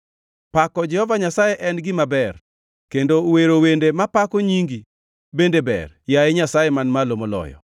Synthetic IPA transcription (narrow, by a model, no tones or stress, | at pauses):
pakɔd͡ʒɛhɔvaɲasajeʔɛnɡɪmabɛr | kendoweɾowendemapakoɲiŋɡi | bendebɛ̰rjajeɲasajemanmalomolɔ̰jɔ̰